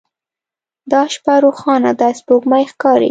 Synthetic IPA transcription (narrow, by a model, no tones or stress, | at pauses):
d̪ɑʃpaɾoxɑnad̪ɑspoɡmajxkɑɾḭ